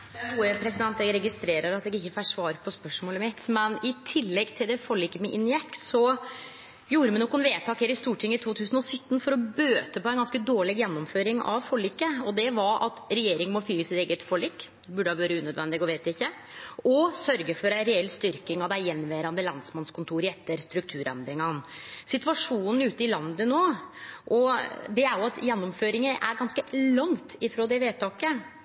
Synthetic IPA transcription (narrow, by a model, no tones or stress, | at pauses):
d̪ɛæɡuːəpʰɾɛsɪd̪ɛnt̪ɛɡɾɛɡɪst̪ɾeːɾəɾɑt̪ɛɡɪçːəfæʂʋɑːɾpʰɔspœʂmoːləmɪt̪mɛnɪt̪ʰɪlːɛɡt̪ʰɪld̪ɛfɔɭiːkəmɛʔɪnːjɛkːsɔ | juːɾəmɛnɔkːʊɛnʋeːt̪ʰɑːkhɛɾɪst̪uːʈʰɪŋːəɪt̪ʰuːt̪ʰʉːsənɔsʏt̪ːn̩fɔɾɔbøːt̪əpɔæɪnɡɑnskəd̪oːɭɪɡjɛnːɔmføːɾɪŋɑ̰ʋfɔɭiːkːəɔd̪ɛʋɑɾʔɑ̰t̪ɾɛjeːɾɪŋənmɔfyːəsɪt̪eːɡət̪fɔɭiːk̪ | bʉɖəhɑʋøːɾəʉːnœd̪ʋɛnd̪ɪɡɔʋeːt̪ʋæɪçːə | ɔsœɾɡəfɔɾæɾɛɛlːst̪ʏɾkɪŋɑd̪æjɛnːʋæːɾɑnd̪əlɑnsmɑnskʊnt̪ʰuːɾɛt̪ːəɾst̪ɾʉk̚t̪ʰʉːɾɛ̰nd̪ɾɪŋɑnsɪt̪ʋɑʂuːnn̩ʉːt̪əɪlɑnd̪ənoːʔɔd̪ɛæɾjʊɑt̪jɛnːɔmføːɾɪŋəʔæ̰ɾɡɑnskəlɑŋt̪ɪfɾoːd̪ɛʋeːt̪ʰɑːkə